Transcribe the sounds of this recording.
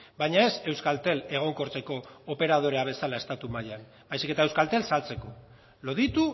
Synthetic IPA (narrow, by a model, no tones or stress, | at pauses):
bajɲae̞se̞wskalt̪e̞le̞ɣ̞o̞ŋko̞ɾt͡se̞ko̞ːpe̞ɾað̞o̞ɾe̞aβ̞e̞salae̞st̪at̪umajan | bajsike̞t̪aewskalt̪e̞lsalt͡se̞ko̞ | lo̞ðit̪u